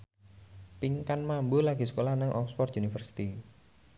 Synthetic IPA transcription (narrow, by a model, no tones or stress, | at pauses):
piŋkanmambolaɡ̥i̤s̬ə̥kolahnəŋʔɔ̰ksfɔrt̪ʔunifərsi̥t̪i